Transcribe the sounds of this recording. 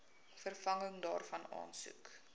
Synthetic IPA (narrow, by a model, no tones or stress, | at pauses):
fərfɐŋəŋdɑːrfɐnɑ̰ːnsʉ̰k